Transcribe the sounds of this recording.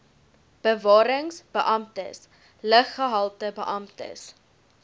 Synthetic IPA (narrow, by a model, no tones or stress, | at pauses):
b̥əvɑːɾəŋsb̥əʔɐmtə̰s | ləχːəɦɐlˠtəbəʔɐmtə̰s